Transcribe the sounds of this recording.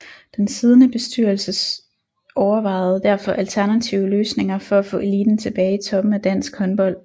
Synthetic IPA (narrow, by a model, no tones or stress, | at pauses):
d̥ensið̞ˠənəb̥e̝sd̥yɐ̰l̩səs | ɒʊɐʋɑ̈ɪð̩ˠd̥æɐ̰fɒ̽ʔælt͡sʰæɐnæt͡sʰiʊəløːsne̝ŋɐfɒ̽æfɔ̰̽ːe̝liːd̥n̩t͡sʰe̝b̥ɛːɪit͡sʰɒ̽b̥m̩æd̥æn̰sɡ̥hɒ̽nb̥ɒ̽l̰